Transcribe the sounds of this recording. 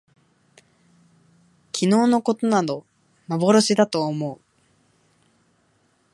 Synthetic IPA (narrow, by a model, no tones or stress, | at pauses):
kʲʰino̞ːno̞ko̞t̪o̞nad̪o̞ | mabo̞ɾoɕid̪at̪o̞ːmo̞ɯ